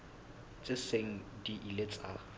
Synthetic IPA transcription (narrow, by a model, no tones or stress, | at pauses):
t͡sʼɪseŋ̩diʔilet͡sʼa